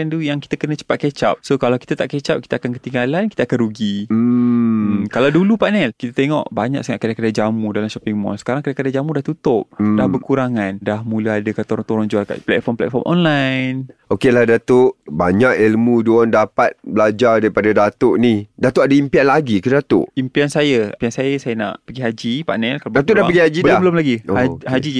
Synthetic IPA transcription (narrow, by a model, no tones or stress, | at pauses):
nd̪ujaŋki̥t̪akənə̃t͡ʃə̥pat̪̚ket͡ʃa̰p̚sokalawkit̪at̪aʔket͡ʃap̚ki̥t̪aakankət̪iŋɡalanki̥t̪əakanɾuɡi | kalawdulupanɛlkit̪at̪eŋɔ̰ʔbaɲa̰k̚səŋaʔkədakədad͡ʒamudalamʃɔpiŋmɔ̰lsə̥kaɾaŋkədakədad͡ʒamudaht̪ut̪ʊp̚dahbərkuɾaŋandahmũlaadəkat̪oɾʊŋt̪oɾʊŋd͡ʒualka̰ʔplɛ̰t̪̚fɔmplɛ̰t̪̚fɔ̰mʔɔ̰nlajnokelahdat̪oʔbaɲakilmũduandapat̪̚bəlad͡ʒadaɾipadadat̪oʔnidat̪oʔadaimpianlaɡikədat̪ʊ̰ʔimpiansajapiansajasajəna̰ʔpəɡiɦad͡ʒipa̰ʔnɛlkalabdat̪odapəɡihad͡ʒibəldbəlomlaɡioaɦad͡ʒi